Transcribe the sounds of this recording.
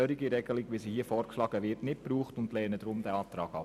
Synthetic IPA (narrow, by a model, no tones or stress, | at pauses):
øːɾiɡiɾɛɡəlɪɡʋisihiəfɔːɾkʃlɑːɡəʋɪtnɪtpɾuːχtʊndlɛːnəd̥ɾʊmd̥æɑːtɾɑːɡ̥ɑ̰